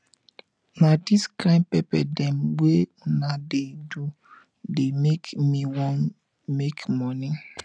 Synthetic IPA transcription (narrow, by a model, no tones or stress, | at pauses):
nadiskɾãnpɛpɛdɛmwe | nadedu | demekmiwɔ̃n | mekmɔni